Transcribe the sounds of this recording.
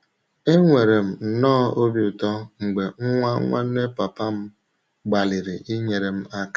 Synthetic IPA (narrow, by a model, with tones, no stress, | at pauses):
e˦ŋʷe˨ɾe˨m̩˨nɔː˦o˦bjʊ˨tɔ˦ŋ̩˨ɡ͡be˨ŋ̩˦ŋʷa˦ŋʷa̰˦ne˦pa˨pa˦m̩˦ | ɡ͡ba˨li˨ɾɪ˨ʔi˦ɲe˨ɾe˨m̩˦a˦ka˦˨